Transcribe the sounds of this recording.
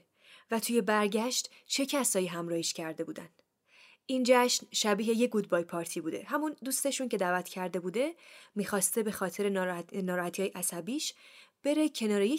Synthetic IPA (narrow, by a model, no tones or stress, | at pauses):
væt̪ʰuːje̞bæɾɟæʃt̪ | t͡ʃʰe̞cʰæsɒːjiɦæmɾɒːhiʃcʰæɾd̪e̞buːd̪æ̰nd̪̥ | ʔind͡ʒæʃnʃæbiːɦe̞je̞ɡud̪̚bɒːjpʰɒːɾt̪ʰiːbuːd̪e̞̰hæmund̪uːst̪e̞ʃuncʰe̞d̪æːvæt̪ʰcʰæɾd̪e̞buːd̪e̞miːxɒːst̪e̞be̞xɒːt̪ʰe̞ɾenɒɾnɒːɾɒːhæt̪ʰihːjeʔæsæbiːʃb̥e̞ɾe̞cʰe̞nɒːɾeje